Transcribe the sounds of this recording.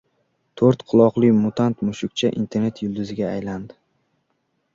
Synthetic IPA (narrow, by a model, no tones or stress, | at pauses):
t̪ʰoɾt̪qʰʊlˠɒqlˠɪjmʊt̪ʰant̪mʊʃʊk̚ʲt͡ʃʰaʔḭnt̪ʰe̞ɾne̞t̪ʰjʊlˠd̪ɪzɪɡʲaːjland̪ɪ